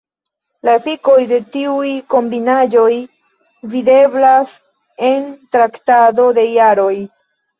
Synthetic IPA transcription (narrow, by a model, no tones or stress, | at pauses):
laefiko̞jde̞tiujko̞mbinad͡ʒo̞j | vide̞blas | e̞ntɾaktado̞de̞jaɾo̞j